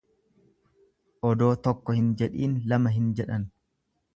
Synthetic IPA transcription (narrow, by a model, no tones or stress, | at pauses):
ʔɔd̪o̞ːt̪ɔkːɔhɪnd͡ʒɛᶑiːnlɐmɐɦɪnd͡ʒɛᶑɐn